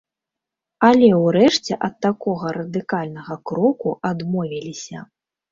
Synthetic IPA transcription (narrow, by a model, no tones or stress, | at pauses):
alʲɛwɾɛʂt͡sʲɛʔɐt̪ːakɔɣɐɾɐd̪ɨkalʲnɐɣɐkɾɔkuʔad̪mɔvʲilʲisʲɐ